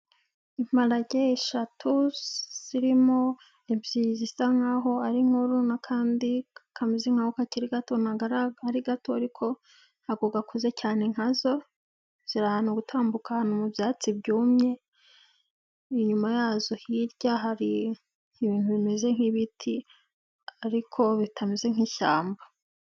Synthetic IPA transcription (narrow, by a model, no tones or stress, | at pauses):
im̥aɾaɟeːʃatʰuz̥iɾimo̞ | ebjizisaŋaɦo̞aɾiŋ̥uɾunakʰaːndiakʰamiziŋahukaciɾiɡato̞naɡaɾaaɾiɡatoaɾikʰo̞ | haɡoɡakuze̞caːneŋ̥hazo̞ | z̥iɾahanoɡutʰaːmbukahanomubjaːt͡sibɟuːmɲe̞ | iɲumajaːzohiɾɟaɦaɾi | ŋiβiːnthuβime̞ze̞ŋ̥hiβitʰi | aɾikʰo̞βitʰamize̞ŋ̥iːʃaːmba